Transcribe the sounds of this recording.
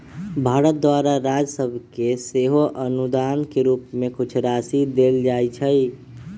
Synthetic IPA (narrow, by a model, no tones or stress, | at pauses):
bʱaɾət̪̚d̪waɾaɾad͡ʒsəbʱkeseɦoʔənud̪ankeɾuːpmekut͡ʃʰɾasid̪eld͡ʒajt͡ʃʰəj